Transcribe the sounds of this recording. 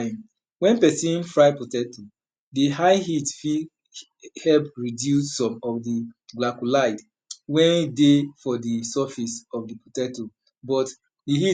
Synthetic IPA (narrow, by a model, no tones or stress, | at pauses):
m | wɛ̃npɛsĩnfɹaɪputɛto | diaɪɦitfi | hɛlpɹidjussɔ̃mɔfdiɡlakulaɪd | wɛ̃nidefɔdisɔfisɔfdiputɛto | bɔt | dihi